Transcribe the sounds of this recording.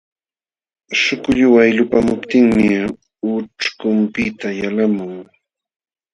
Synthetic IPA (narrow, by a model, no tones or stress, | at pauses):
ʃʊkʊʎʊwajlʊpamʊpt̪ɪŋmɪ | ʊʈ͡ʂkʊmpɪt̪ajalamʊŋ